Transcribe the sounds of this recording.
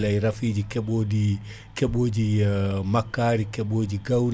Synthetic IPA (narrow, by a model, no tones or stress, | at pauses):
lajɾafiːd͡ʒikɛɓodi | kɛɓoːd͡ʒimakːaːɾikɛɓoːd͡ʒiɡawɾ